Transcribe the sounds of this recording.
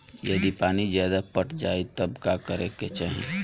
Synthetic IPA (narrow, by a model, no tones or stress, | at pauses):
jəd̪ipaːnizjaːd̪apəʈʰd͡ʒaːet̪əbkakəɾeket͡ʃaːɦḭ̃